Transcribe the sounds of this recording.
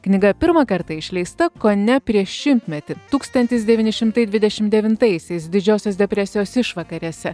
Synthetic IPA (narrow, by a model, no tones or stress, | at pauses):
knʲɪɡɐpʲɪɾmɐkɐɾt̪ɐɪʃʲlʲɛɪst̪ɐkonʲɛpʲɾʲiɛʃʃʲɪmʲt̪ʲmʲɛt̪ʲɪt̪uːkst̪ɐnʲt̪ʲɪs̬d̪ʲɛʋʲiːnʲɪʃʲɪmt̪ɐɪd̪ʲʋʲɪd̪ʲɛʃʲɪmd̪d̪ʲɛʋʲɪnt̪ɐɪsʲɛɪsd̪ʲɪd͡ʒʲoːsʲoːsd̪ʲɛpʲɾʲɛsʲɪjoːsɪʃʋɐkɐɾʲiɛsʲɛ